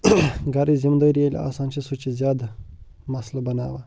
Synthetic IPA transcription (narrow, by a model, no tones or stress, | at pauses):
ɡɐɾizimd̪əɾijelʲa̰ːsaːnt͡ʃʰisut͡ʃʰizʲjaːd̪ | mɐslɐbɐna̰ːʋa̰ː